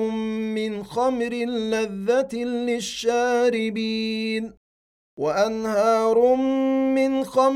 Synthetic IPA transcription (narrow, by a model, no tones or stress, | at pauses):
mːɪnxamɾɪlːaðːat̪lɪʃːaːɾɪbiːn | waʔanhɑːɾˤʊmːɪnxam